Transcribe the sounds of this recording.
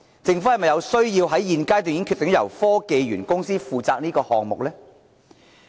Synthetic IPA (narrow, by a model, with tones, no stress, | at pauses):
t͡sɪ˨˧ŋfu˨˥hɐ˨jmɐ˨jɐ˨˧wsɵ˥ɥjiː˧wɦɐ˨˥jːiː˨˧nkaː˥jt̪yː˨ŋji˨˥ŋkʰy˧t̪ːŋ˥jɐ̰˨˩wfɔː˥ke˨˧jɥyː˨˩nkʊ˥ŋsiː˥fuː˨t͡saː˧k̚niː˥kɔː˧hɔː˨ŋmʊ˨k̚lɛː˥